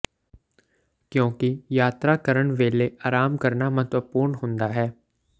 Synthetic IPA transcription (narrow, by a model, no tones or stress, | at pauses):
kjõːkijaːt̪ɾakəɾəɳʋeːleʔaːɾaːmkəɾnamə̃t̪wəpuːɾnɦõːnd̪aɦɛː